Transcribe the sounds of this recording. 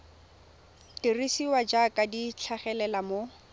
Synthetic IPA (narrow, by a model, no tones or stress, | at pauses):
tirisiwad͡ʒakʼadit͡ɬʰaχɛlɛlamo